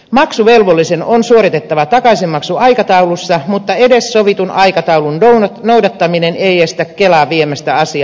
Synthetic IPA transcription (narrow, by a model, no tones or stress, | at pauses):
mɑksuʋelʋolːisenonsuoɾit̪et̪ːɑʋɑt̪ɑkɑisimmɑksuɑikɑt̪ɑulusːɑmut̪ːɑedessoʋit̪unʔɑikɑt̪ɑulunonoudɑt̪ːɑmineneiest̪ækkelɑʋʋiemæst̪æɑsiɑ